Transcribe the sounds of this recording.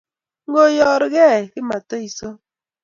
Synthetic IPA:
ŋ̩˦ɡo˦jɔ˦˨ɾɪ˦ɣɛ˦˨kɪ˦ma˨to˦i˨so˦

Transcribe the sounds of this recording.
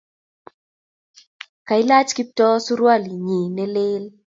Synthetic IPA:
ka˨i˦la˦t͡ʃki˦tɔ˦su˦ɾwa˦li˨ɲi˨nɛ˦le˦l

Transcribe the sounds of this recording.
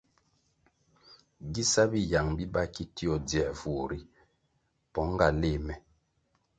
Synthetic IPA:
ɡi˦sa˦bi˦ja˨ŋbi˦ba˦˨ki˦ti˦ɔ˨dɛ˨fu˨ɾi˦ | pɔ˨˦ŋ˦ɡa˨le˦˨mɛ˨

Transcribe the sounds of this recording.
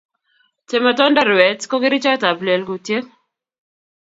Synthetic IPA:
te˨ma˨tɔ˦nda˦ɾwɛ˨tko˦ɡɪ˦ɾi˦t͡ʃɔ˦ta˨blɛ˨lɡu˨tje˦

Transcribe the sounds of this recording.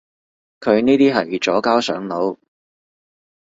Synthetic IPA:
kʰɵ˨˧ɥniː˥t̪iː˥ɦɐ˨jt͡sɔː˨˥kaː˥wsœ̰ː˨˥ŋlo˨˥w

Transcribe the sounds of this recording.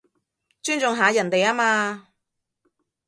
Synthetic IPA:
t͡ʃyː˥nt͡sʊ˨˧ŋɦaː˨˧jɐ˨˩nt̪e˨jaː˥maː˧

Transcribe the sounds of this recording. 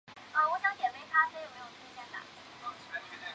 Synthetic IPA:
ə˧wɔ˧˥ɕjɑ˧˥ŋt̪jɛ˨˩fe˥ɪt̪ʰa˥tʰa˧˥jo˨˩ʊme˧˥ɪjo˨˩tʰu˥ɕʰjɛ˥˩nd̪a̰˨˩

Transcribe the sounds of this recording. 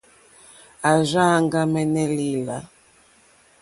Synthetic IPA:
a˨ʒa˦ŋɡa˦mɛ˦nɛ˦li˦la˨

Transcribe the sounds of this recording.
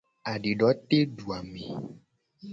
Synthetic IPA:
a˨ɖi˨ɖɔ˨˦t̪e˦ɖu˨a˨mẽ˨

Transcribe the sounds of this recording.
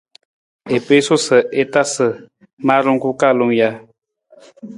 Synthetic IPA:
e˨pe˦so˦sɨ˨e˦ta˦sɨ˨ | maː˦ɾu˦ŋ˦ku˦ka˦˨lo˦ŋja˦

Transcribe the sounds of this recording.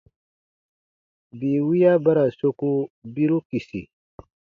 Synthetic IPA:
bi˨wi˦ja˦ba˦ɾa˨so˦ku˦bi˦ɾu˦ki˨sḭ˨

